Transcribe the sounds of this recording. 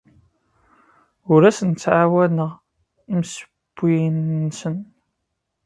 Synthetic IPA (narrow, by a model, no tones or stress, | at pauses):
ʊɾæsənt͡sːʕawænəʁ | msə̥ | b̥ːinːsən